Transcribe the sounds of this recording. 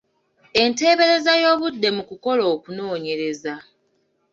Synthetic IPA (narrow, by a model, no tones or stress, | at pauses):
e̞nte̞ːβe̞ɾe̞zajo̞ːβudːe̞mukuko̞lo̞ːkuno̞ːɲe̞ɾe̞za